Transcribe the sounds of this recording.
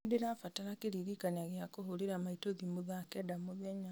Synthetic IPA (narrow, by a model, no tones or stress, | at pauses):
deɾafataɾakeɾiɾikanaɣeakoɦoɾeɾamaitoðimoðakɛdamoðɛɲa